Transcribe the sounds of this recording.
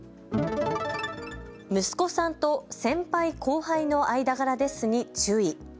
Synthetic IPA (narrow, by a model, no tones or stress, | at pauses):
mɯ̟sɨ̥ko̞sãnt̪o̞sẽ̞mpaikʰo̞ːhaino̞aid̪aɡaɾad̪e̞sɨɲ̟it͡ɕɨːi